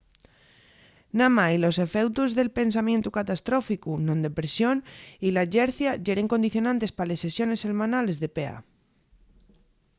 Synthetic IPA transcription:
namailo̞se̞fe̞wt̪uzðe̞lpe̞ns̬amje̞nt̪ukat̪ast̪ɾo̞fikunõ̞nd̪epɾesjo̞nilaʝeɾθjaʝe̞ɾeŋko̞nd̪iθjo̞nãnt̪e̞spale̞sesjo̞ne̞se̞lmãnale̞zðe̞pea̰

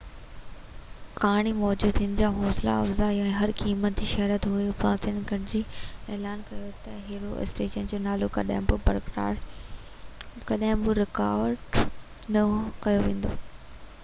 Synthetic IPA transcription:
kaːɽ̃imɔːd͡ʑuːd̪ʰɪnɪ̆d͡ʑaːɦɔːsla̰ɐ̰fzaːjoɛ̃ːɦɐɾkiːmət̪̚d͡ʑiːʃɐɦɾət̪ɦuepãːsɪnɡɐɽd͡ʑiːɛːlaːnkɐjot̪ɐɦeːɾoɪ̰sʈeːʃənd͡ʑoːnaːlokɐ̰ɗa̰ːɪ̃bɪbɐɾkɾa̰ːɾ | kɐɗaɦɪ̃bɪɾɪkaːʋɾɖ | nɐkɐjoʋẽːn̆d̪o̰ː

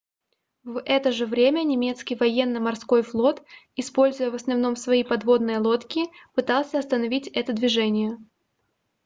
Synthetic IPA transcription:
vɛt̪əʐɨvɾʲemʲənʲɪmʲe̞t̪skʲijvɐjenːəmɐrsko̞jflˠo̞t̪ | ɪspo̞lʲzʊjəvəsnɐvno̞msvɐipɐd̪vo̞d̪nɨjəlˠo̞t̪kʲɪpɨt̪ɑlˠsʲəɐst̪ənɐvʲitʲɛt̪əd̪vʲɪʐɛnʲɪjə

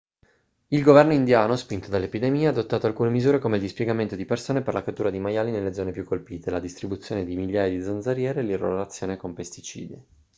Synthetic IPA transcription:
ilɡovɛrnoind̪jaːnospint̪od̪alːepid̪emiːead̪ot̪ːaːt̪oalkuːnemizuːɾekomeild̪ispjɛɡament̪od̪ipersoːneperlakat̪ːuːɾad̪imajaːlinelːed̪zɔnepjukːolpiːt̪elad̪ist̪ɾibut̪sːjoːned̪imiʎːaːjad̪id̪zonzaɾjɛːɾeːliro̰lat̪sːjoːnekompest̪it͡ʃḭːd̪je

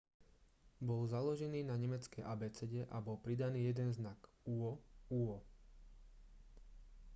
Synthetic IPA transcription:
bɔlzalɔʒɛniːnaɲɛmɛt͡skɛjʔabɛt͡sɛɟɛʔabɔlpɾid̪aniːjɛd̪ɛnznak | uɔuɔ

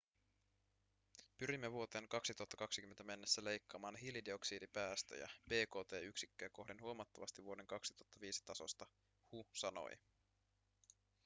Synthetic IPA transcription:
pyɾimːeʋuo̞t̪e̞ːŋkɑksit̪uɑt̪ːɑkɑksik̟ymːe̞nt̪æme̞nːe̞sːæle̞jkːɑːmɑːnɦilideo̞ksiːdipæːst̪ø̰jæ̰b̥e̞ːko̞ːt̪e̞ːyksikːøːko̞hdenhuomɑt̪ːɑʋɑ̰st̪iʋuo̞de̞ŋkɑksi̥t̪uɑt̪ːɑʋiːsi̥t̪ɑso̞̰st̪ɑ | husɑno̞̰j

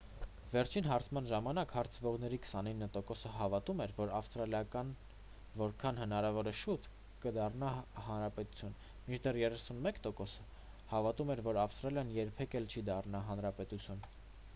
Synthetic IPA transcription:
vɛɾt͡ʃʰinɦɑɾt͡sʰmɑnʒɑmɑnɑkhɑɾt͡sʰəvɔʁnɛɾikʰə̥sɑninːət̪ɔkɔsəɦɑvɑt̪umɛɾvɔɾɑfst̪ɾɑljɑkɑn | vɔɾkʰɑnhənɑɾɑvɔɾɛʃut̪ | kəd̪ɑrnɑhɑnɾɑpɛt̪u̥t͡sʰjun | mit͡ʃʰd̪ɛrjɛrɛsunmɛkt̪ɔkɔsə | hɑvɑt̪umɛɾvɔɾɑfst̪ɾɑljɑnjɛɾpʰɛkɛlt͡ʃʰid̪ɑrnɑɦɑnɾɑpɛt̪ut͡sʰjun

